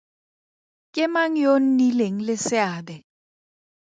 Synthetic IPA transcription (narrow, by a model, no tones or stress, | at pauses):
kʼɪmaŋ̩jon̩nileŋ̩lɪsɪaːdɛ